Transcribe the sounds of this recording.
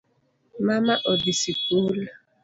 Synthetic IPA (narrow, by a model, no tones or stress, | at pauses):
mamaʔɔdisipuːla